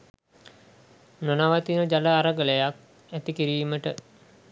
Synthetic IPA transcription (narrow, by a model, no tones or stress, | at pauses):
nonaʋat̪inəd͡ʒaləaɾəɡələjak̚ | æt̪ikiɾiːməʈə